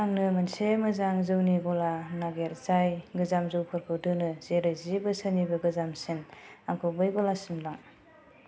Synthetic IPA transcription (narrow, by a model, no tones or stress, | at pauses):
aŋnɯmansemɯzaŋzɯwniɡɔlanaɡeɾzajɡɯzamzɯwpʰɯɾkʰɯwdɯnɯzeɾɯjzibɯsɯnibɯɡɯzamsenaŋkʰɯbɯjɡɔlasimlaŋ